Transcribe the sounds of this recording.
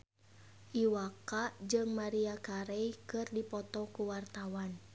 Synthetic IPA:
ʔiwakaʔd͡ʒɨŋmaɾiakaɾɛjkɨrdipɔt̪ɔkuwart̪awan

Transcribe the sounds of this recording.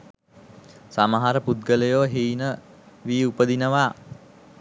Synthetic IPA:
saməɦaɾəpud̪̚ɡələjoːɦeːnə | ʋiːupəd̪inəʋaː

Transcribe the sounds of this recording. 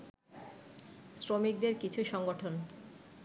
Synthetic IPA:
sɾomik̚d̪eɾkit͡ɕʰuʃɔŋɡoʈʰon

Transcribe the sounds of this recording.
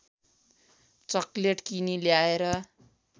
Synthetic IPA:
t͡sʌkleʈkiniljaeɾʌ

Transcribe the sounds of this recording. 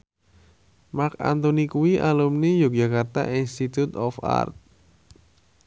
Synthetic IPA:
maka̰nt̪onikuwiʔalumnijok̚d͡ʒakart̪a̰ʔinst̪it̪ut̪ɔfa̰rt̪̚

